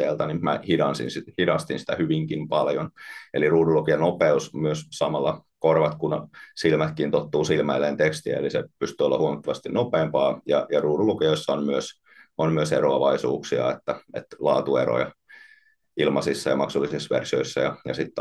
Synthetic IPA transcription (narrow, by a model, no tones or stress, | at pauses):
eːlt̪ɑnimæhidɑnsḭnsihidɑst̪insi̥t̪æhyʋiŋkimpɑljoneliruːdulukiɑnopeusmyøssɑmɑlːɑkorʋɑt̪kunsilmæt̪kiːnt̪ot̪ːuːsilmæilːeːnt̪ekst̪iæ̰ḛlisḛpyst̪yːolːɑ̰huomɑt̪ːɑʋɑst̪innopeːmpɑːjɑjɑruːdulukijoisːɑonmyøs | onmyøseroɑʋɑisṵːksiɑ̰et̪ːæḛt̪lɑːt̪uero̰jɑ | ilmɑsisːɑjɑmɑksulːˑisisʋḛrsio̰isːɑ̰jɑjɑsit̪ː